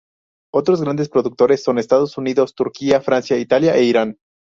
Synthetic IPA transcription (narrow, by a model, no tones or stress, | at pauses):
o̞t̪ɾo̞zɣɾand̪espɾo̞ðuk̚t̪o̞ɾe̞sːo̞ne̞st̪aðo̞suniðo̞st̪uɾkiafɾansjait̪aljaʔeiɾan